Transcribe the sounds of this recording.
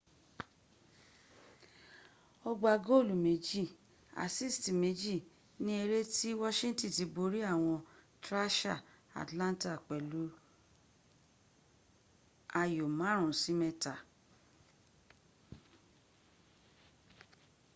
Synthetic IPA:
ɔ˧ɡ͡ba˧˨ɡo˦˨lu˨me˨˦d͡ʒi˦˨ | a̰˨si˦˨sti˨me˨˦d͡ʒi˦˨ | nĩ˦e˧ɾe˦ti˦wɔ˦ʃĩ˦n̩˦tĩ˦˨ti˨˧˦bo˧ɾi˦a˦˨w̃ɔ̃˧ | tɾa˦ʃa˦˨ | a̰˨tlã˦n˦ta˦˨k͡pɛ˨lu˨˦ | a˧jo˨mã˨˦ɾ̃ũ˨si˨˦mɛ̃˧ta˨

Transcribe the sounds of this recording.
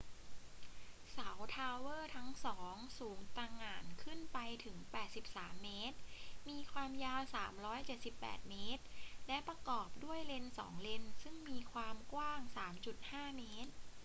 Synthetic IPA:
sa˩˦wt̪ʰaː˧wɤː˥˩t̪ʰa˦˥ŋsɔː˩˦ŋsuː˩˦ŋt̪a˧ŋaː˨˩nkʰɯ˥˩npa˧jt̪ʰɯ˩˦ŋpɛː˨˩t̪̚si˨˩p̚saː˩˦mːeː˦˥t̪̚miː˧kʰwaː˧mjaː˧wsaː˩˦mɾɔː˦˥jt͡ɕe˨˩t̪̚si˨˩pːɛ̰ː˨˩t̪̚meː˦˥t̪̚lɛ˦˥pɾa˧kɔː˨˩p̚du˥˩əjle˧nsɔ̰ː˩˦ŋle˧nsɯ˥˩ŋmiː˧kʰwaː˧mkwaː˥˩ŋsaː˩˦mt͡ɕu˨˩t̪̚haː˥˩meː˦˥t̪̚

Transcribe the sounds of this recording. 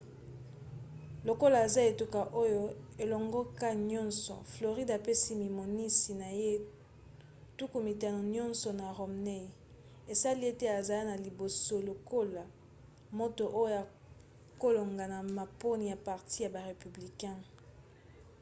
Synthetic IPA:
lo˨ko˦la˨e˨za˦e˨tu˦ka˨ʔo˦jo˦e˨lɔ˨ŋɡɔ˦ka˦ɲɔ̃˦nsɔ̰˨flo˨ʁi˦da˨pe˦si˦mi˨mo˨ni˦si˨na˨je˦ | tu˦ku˨mi˨ta˨n˨ɲɔ̃˦nsɔ˨na˨ʁo˨mne˦i˨ | e˨sa˦li˦e˦te˦a˨za˨˦na˨li˨bo˨so˦lo˨ko˦la˨ | mo˦to˨ʔo˦jo˦ja˨ | ko˦lo˨ŋɡa˨na˨ma˨po˦ni˨ja˨pa˨ʁti˦ja˨ba˨ʁe˨py˨bli˨kɛ̃˦

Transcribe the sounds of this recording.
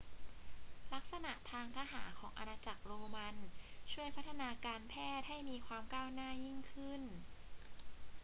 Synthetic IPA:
la˦˥k̚sa˧na˨˩ʔt̪ʰaː˧ŋt̪ʰaː˦˧˥ɦaː˩˦nkʰɔː˩˦ŋʔa̰˧naː˧t͡ɕa˨˩k̚ɾoː˧ma˧nt͡ɕʰu˥˩əjpʰa˦˥t̪ʰːa˧naː˧kaː˧npʰɛː˥˩t̪̚ha˥˩jmiː˧kʰwaː˧mkaː˥˩wnaː˥˩ji˥˩ŋkʰɯ˥˩n

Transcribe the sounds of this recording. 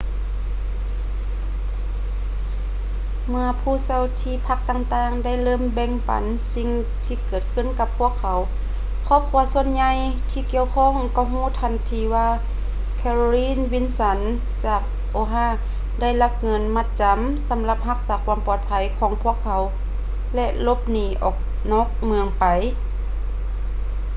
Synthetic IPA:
mɯ˧ɐpʰuː˧˥˩sa˧˩wt̪ʰiː˧˩pʰa˧˥˩k̚t̪aː˧ŋt̪aː˧ŋda˥˩˨jlɤː˥˨mbɛ˧˨ŋpa̰˨˦n | si˧ŋ | t̪ʰiː˧kɤː˨˩t̪̚kʰɯ˧˥˨nka˧pʰːu˧˩əkʰːa˨˦w | kʰɔː˧˥˩p̚kʰu˧ɐsu˧ənɲa˧j | t̪ʰiː˧ki˧˨əwkʰɔː˧˥˨ŋkɔ˧˩wɦuː˧˥˨t̪ʰa˧˩nt̪ʰiː˧waː˧ | kʰɛː˧ɾo˧liː˧˥˨nwi˧˥nsa˧˦n | t͡ɕaː˨˩k̚ | ʔoː˧˦ɦaː˧˩˨ | da˥˩jla˧˥p̚ŋɤ˧nma˧t̪̚t͡ɕa˨˦m | sa˩˨˦mla˧p̚ha˧˥k̚saː˨˦kʰwuaː˧˦mpɔː˨˩t̪̚pʰa˧˦jkʰɔː˨˦ŋpʰu˧˥˨əkʰːa˨˦w | lɛ˧ʔlo˧˥p̚niː˧˩ʔɔː˨˩k̚ | nɔː˧˥˩k̚mɯ˧əŋpa˨˦j

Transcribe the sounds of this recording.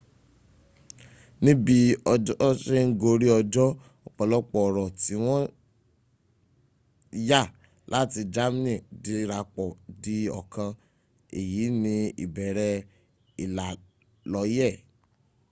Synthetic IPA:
nĩ˦bi˧˦ | ʃe˦ŋ̩˦ɡo˧ɾi˦ɔ˧d͡ʒɔ˦ | ɔ˨k͡pɔ˨lɔ˦k͡pɔ˨ɾɔ˨ti˨˦w̃ɔ̃˦ | ja˦˨ | lʔa˦ti˧d͡ʒa˦mi˦nĩ˦˨di˧ɾa˧k͡pɔ˨di˦ɔ̰˨kã˧ | e˨jiː˨˦nĩ˧ḭ˨bɛ˨ɾɛ˧ | i˨la˨ | lɔ˨˦jɛ˦˨

